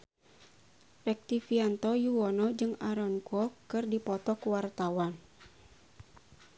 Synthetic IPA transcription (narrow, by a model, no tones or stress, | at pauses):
rɛk̚t̪ifiant̪ɔjuɔnɔd͡ʒɨŋaɾɔnkɔkɨrdipɔt̪ɔkuwart̪awan